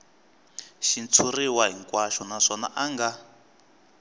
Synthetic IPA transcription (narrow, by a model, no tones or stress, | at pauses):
ʃint͡sʰuriwaɦiŋkwaʃɔnaʂɔna̰ʔaŋɡa